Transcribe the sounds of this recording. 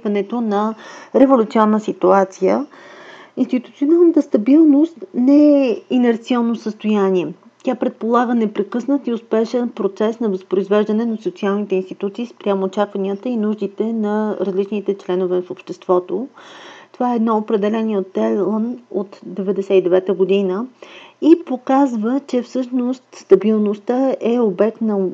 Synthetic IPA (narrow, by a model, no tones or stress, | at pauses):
vɐnɛt̪onɐɾɛvolʲut̪siɔnːəsit̪uat̪sijə | inst̪it̪ut̪sionalˠnət̪əst̪ɐbilˠnost̪nɛɛinɛɾt̪siɔnːosəst̪ojaniɛ | t̪ʲjapɾɛt̪̚polˠaɡənɛpɾɛkɤsnət̪iʊspɛʃɛnpɾot̪sɛsnɐvəspɾoizvɛʒd̪ɐnɛnɐsot̪sialˠnit̪ɛinst̪it̪ut̪siːspɾʲamoːt͡ʃakvɐniət̪əinuʒd̪it̪ɛnɐɾɐzlit͡ʃnit̪ɛt͡ʃlɛnovɛfopʃt̪ɛst̪vɔt̪ot̪ovaɛːd̪nɔopɾɛd̪ɛlɛniot̪ːɛlˠnot̪d̪ɛvɛd̪ɛsɛid̪ɛvɛt̪əɡod̪inəipokazvət͡ʃɛfsɤʃnost̪st̪ɐbilˠnost̪əʔɛobɛk̚t̪nɐ